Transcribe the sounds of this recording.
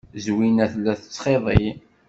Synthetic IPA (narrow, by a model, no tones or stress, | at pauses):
zwinæθlːæθə̥t͡sːχeðˤi